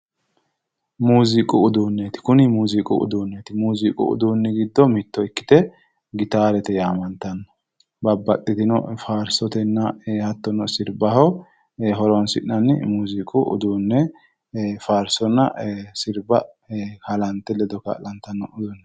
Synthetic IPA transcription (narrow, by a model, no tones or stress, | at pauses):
muːzɪkʼʊʊd̪uːnːet̪ɪ̥kʊnɪmuːzikʼʊ̰ʔʊ̰d̪uːnːet̪ɪmuːzɪkʼʊ̰ʊ̰d̪uːnːɛɡɪd̪ːɔmɪt̪ːɔɪkːɪ̥t̪ɛ | ɡɪt̪aːɾɛt̪ɛjaːmɐnt̪ɐnːɐ̥ | bɐbːɐt̪ʼːɪt̪ɪnɔ̰faːɾsɔt̪ɛnːɐhɐt̪ːɔnɔsɪɾbɐhɔ | ɦɔɾɔnsɪ̰ʔnɐnmuːzɪkʼʊʔʊ̰d̪uːnːɛ | faːɾsɔnːɐ̰sɪɾbɐ | kɐlɐnt̪ːɛlɛd̪ɔkɐ̰lɐnt̪ɐnːɔʊd̪unːɛ